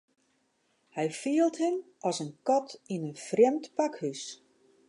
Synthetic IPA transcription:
hɛjfiəlˠthəmʔɔsənkɔtʰinənfrjɛmtpakhys

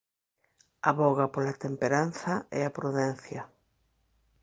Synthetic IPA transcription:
aβɔɣapolat̪empeɾanθɐɛapɾuðɛn̟θjɐ

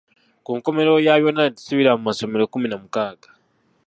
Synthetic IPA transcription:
kuːŋko̞me̞ɾo̞jajo̞nadisuβiɾamumaso̞me̞ɾokuminamukaːɡḁ

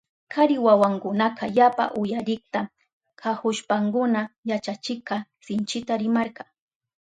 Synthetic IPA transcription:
kʰaɾɪwawaŋkʊnaqʰajapa̰ʔʊjaɾɪkt̪a | kʰahʊʃpaŋkʊnajat͡ʃat͡ʃɪkɑsɪnt͡ʃɪt̪aɾɪmaɾqɑ

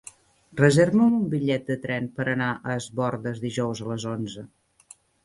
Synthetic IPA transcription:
rəzeɾβəmumbiʎːɛt̪̚d̪ət̪ɾɛnpəɾənaʔəːzβɔrðəzðiʒɔwzələzonzə

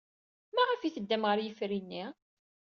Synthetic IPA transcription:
mæʁəfiθəd̪ːæmʁəɾjəfɾinːi

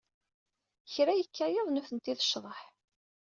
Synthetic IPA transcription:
çɾæjəkːæjɪðˤnuθənt̪iðəʃðˤəħ

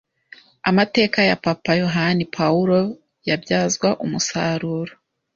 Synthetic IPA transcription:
a̰mate̞ːkajapapajo̞ɦanipʰauɾo̞ | jabɟaːzɡwaʔumusaɾuːɾo

